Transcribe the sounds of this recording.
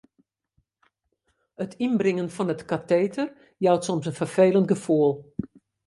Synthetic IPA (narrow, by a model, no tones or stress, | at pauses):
ətʰinbrɪŋənfɔnətkateːtʰər | jawtsɔmsənfərfeːlənt̚ɡəfuəlˠ